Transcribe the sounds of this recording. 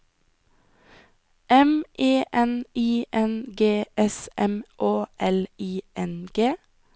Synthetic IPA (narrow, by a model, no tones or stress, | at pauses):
ʔɛmʔeːʔɛniːʔɛnɡeːʔɛsɛmʔoːʔɛliːʔɛnɡ̥eː